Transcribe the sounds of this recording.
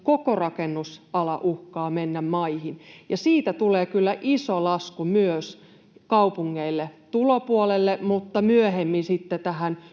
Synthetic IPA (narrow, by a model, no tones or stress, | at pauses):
kokorɑkenːusɑlɑʔuhkɑːmenːæmmɑihinjɑsiːt̪æt̪uleːkylːæʔisolɑskumyøs | kɑupuŋːeilːet̪ulopuolelːemut̪ːɑmyøhemːinsit̪ːet̪æhæn